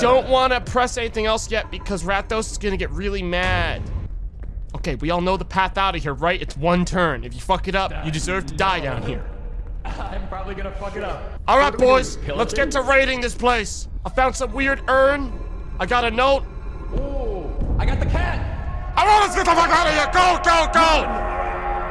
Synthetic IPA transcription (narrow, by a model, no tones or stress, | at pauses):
d̥õʊ̃nʔwɑ̃nɨpʰɹ̥ɛsɛniθɪ̃ŋɛlˠsjɛt̚b̥ɨkʰʌzɹæt̚oʊsɨzɡʌnɨɡɛt̚ɹɪlˠimæd̥ | oʊkeɪwiɔlˠnoʊðəpʰæθaʊɾɨvɦiɹɹaɪɾɨtswʌ̃ntʰɜ̃˞nɨfjɨfʌkɨɾʌpjɨdɨzɜ˞v̥tʰɨdaɪdãʊ̃nhḭɹ | ãɪ̃mpʰɹ̥ɑbəbliɡʌnəfʌkɨɾʌp̚ | ʔɔlˠɹaɪt̚b̥ɔɪz̥ʰɪlətsɡ̥ɛtʰəɹaɪɾɪ̃ŋðɪspʰl̥eɪsaɪfãʊ̃nd̥sʌ̃mwɪɹɾɜ̃˞n | aɪɡɑɾɨnoʊt̚ | aɪɡɑt̪̚ðɨkʰænaɪɹaɪtlətsɡ̥ɛtaɪfaɪɡɑɾəjɛɡoʊɡoʊɡoʊ